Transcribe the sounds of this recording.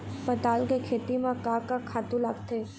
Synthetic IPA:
pət̪aːlkekʰeːt̪imãkaːkakʰaːt̪ũlaːɡt̪eː

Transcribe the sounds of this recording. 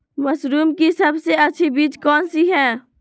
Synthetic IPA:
məsɾuːmkisəbseətːʃʰibiːt͡ʃkɔːnsiɦɛ̃ː

